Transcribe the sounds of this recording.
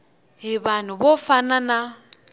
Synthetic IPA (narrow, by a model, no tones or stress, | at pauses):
ɦɪban̤ʊbofanana